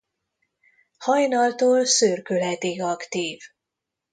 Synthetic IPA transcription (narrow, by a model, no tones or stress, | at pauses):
hɒjnɒlt̪oːlsørkølɦɛt̪iɡɒkt̪iːv